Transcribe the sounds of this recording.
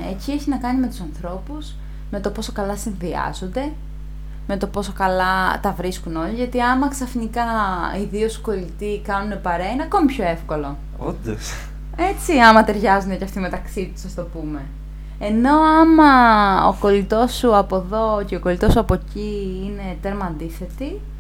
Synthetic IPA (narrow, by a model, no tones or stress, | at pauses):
ecie̞çinɐkɐnime̞t̪u̥sɐnθɾo̞puz̥ | me̞t̪o̞po̞so̞kɐlɐsinviɐ̰zond̪e̞ | me̞t̪o̞po̞so̞kɐlɐt̪ɐvɾiskuno̞liʝɐt̪iɐmɐksɐfnikɐiðiosu̥ko̞lit̪ikɐnune̞pɐɾeɐineɐko̞mipço̞e̞fko̞lo̞ | od̪ɐs | e̞t͡siɐmɐt̪e̞ɾʝɐzund̪ecɐft̪ime̞t̪ɐksit̪u̥sɐst̪o̞pume̞ | eno̞ɐmɐo̰ko̞lit̪o̞suɐpo̞ðo̞ceoko̞lit̪o̞suɐpo̞ciine̞t̪e̞ɾmɐnd̪iθe̞t̪i